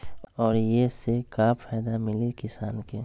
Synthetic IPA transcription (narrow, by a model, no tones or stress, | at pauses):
ɔːɾjesekapʰaːjd̪amɪlikɪsaːnke